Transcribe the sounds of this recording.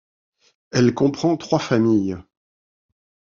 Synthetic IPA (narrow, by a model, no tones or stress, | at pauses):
ɛlkɔ̃pχɑ̃t̪χwafamij